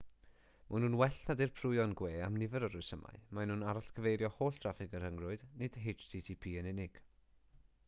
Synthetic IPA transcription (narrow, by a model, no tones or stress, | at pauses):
manuːnwɛɬnadirpʰrʊɨɔnɡweːamnɪvəɾəɾʊɨsəma̰ɨmanuːnaɾaɬkʰəvejɾjɔhoːɬtʰr̥afɪɡərhəŋrʊɨdnɪd̥ɦɪt͡ʃd̥ʰitʰipʰiːənɪnɪɡ̥